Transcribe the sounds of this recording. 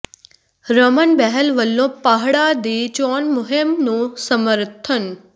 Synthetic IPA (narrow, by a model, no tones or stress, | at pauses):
ɾəmənbɛɦəlʋəlːõːpaːɦɽad̪iːt͡ʃɔːnmʊɦɪmnũsəməɾt̪ʰən